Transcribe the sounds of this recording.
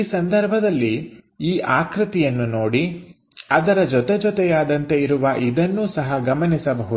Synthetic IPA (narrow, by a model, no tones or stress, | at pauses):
iːsɐnd̪ɐɾbʱɐd̪ɐlːiiːʔaːkɾɪt̪ijɐnːuno̞ːɽi | ɐd̪ɐɾɐd͡ʒɔt̪ɛd͡ʒɔt̪ɛjaːd̪ɐnt̪e̞iɾuʋɐʔid̪ɐnːuːsɐɦɐɡɐmɐnisɐbɐɦu